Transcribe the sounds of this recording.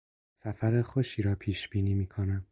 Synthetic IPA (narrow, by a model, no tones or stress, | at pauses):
sæfæɾexoʃiːɾɒːpʰiːʃb̥iːniːmiːkʰo̞næm